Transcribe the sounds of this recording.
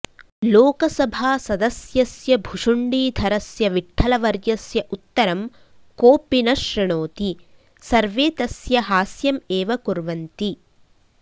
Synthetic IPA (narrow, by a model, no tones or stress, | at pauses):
loːkɐsɐbʱaːsɐd̪ɐsjɐsjɐbʱuʂuɳɖiːd̪ʱɐɾɐsjɐʋiʈʰːɐlɐʋɐɾjɐsjɐʔut̪ːɐɾɐm | koːpinɐʃɾɐɳoːt̪i | sɐɾʋeːt̪ɐsjɐɦaːsjɐmeːʋɐkuɾʋɐnt̪i